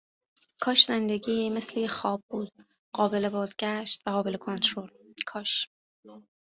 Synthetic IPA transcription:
kʰɒːʃz̥e̞nd̪eɟiːmeslejexɒːbːuːd̪̥ | ɢ̥ɒːbe̞le̞bɒːzɟæʃt̪væʁɒːbe̞le̞kʰont̪ʰɾolkʰɒːʃ

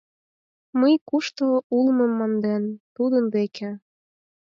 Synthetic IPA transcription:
məjkuʃt̪oulməmːɑnd̪ent̪ud̪ənd̪ekʰe

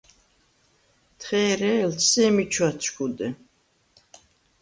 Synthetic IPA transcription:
t̪ʰχɛːɾɛltsɛmit͡ʃʰwat͡ʃʰkʰud̪ɛ

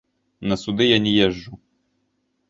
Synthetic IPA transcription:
nɐsud̪ɪjanʲɛjɛʒːu

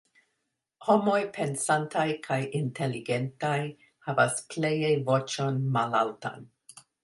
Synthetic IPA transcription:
homo̞jpʰe̞nsantʰajkʰajintʰeliɡe̞ntaj | havasplejejvo̞t͡ʃo̞nmalalta̰n

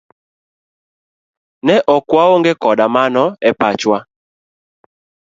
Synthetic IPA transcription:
nɛʔɔkwaoŋɡekɔɗamanɔɛpat͡ʃwa

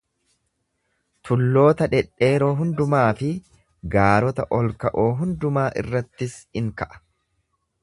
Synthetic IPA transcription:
t̪ʊlːo̞ːt̪ɐᶑɛᶑːe̞ːɾo̞ːɦʊnd̪ʊmaːfɪ | ɡaːɾɔt̪ɐʔɔlkɐʔoːɦʊnd̪ʊmaːʔɪ̰rːɐt̪ːɪsɪŋkɐʔɐ̥

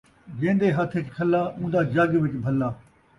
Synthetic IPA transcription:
ɡẽːnd̪eːɦət̪ʰɪkkʰəlːaːʊ̃ːnd̪aːd͡ʒəɡʋɪt͡ʃbʱəlːaː

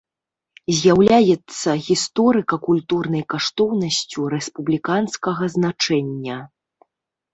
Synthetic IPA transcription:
zʲjawlʲajɛt̪sːɐɣʲist̪ɔɾɨkɐkulʲt̪urnɐjkaʂt̪ɔwnɐsʲt͡sʲuɾɛspublʲikanskɐɣɐznat͡ʂɛnʲːɐ

